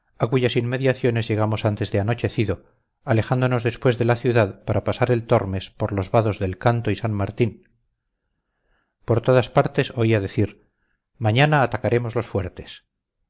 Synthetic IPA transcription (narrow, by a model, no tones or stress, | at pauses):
akuʝasinme̞ðjaθjo̞ne̞zʝe̞ɣ̞amo̞sant̪e̞zðeano̞t͡ʃe̞θiðo̞ | ale̞xand̪ono̞zðe̞spwe̞zðe̞laθjuðaðpaɾapasaɾe̞lt̪o̞ɾme̞spo̞ɾlo̞zβaðo̞zðe̞lkant̪oisanmaɾt̪in | po̞ɾt̪o̞ðaspaɾt̪e̞so̞iaðe̞θiɾ | maɲanaːt̪akaɾe̞mozlo̞sfwe̞ɾt̪e̞̥s